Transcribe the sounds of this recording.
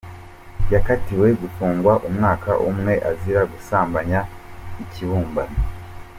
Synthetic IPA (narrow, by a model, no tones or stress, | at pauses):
jakatiwe̞ɡutuːŋɡwaʔumŋaːka̰ʔumŋe̞ʔaziɾaɡusaːmbaɲa | iciβuːmban